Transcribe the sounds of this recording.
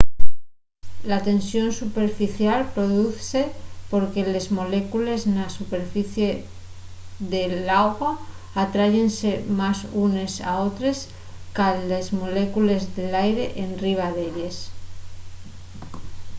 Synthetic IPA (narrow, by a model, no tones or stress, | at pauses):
lat̪e̞nsjo̞nsupe̞ɾfiθjalpɾo̞ðuθse̞po̞ɾke̞le̞zmo̞le̞kule̞znasupe̞ɾfiθje̞ | ðe̞laɣwaː | t̪ɾaʝe̞nse̞masune̞sa̰o̞t̪ɾe̞s | kalːezmo̞le̞kule̞zðe̞lajɾe̞ʔenriβ̞aðeʎes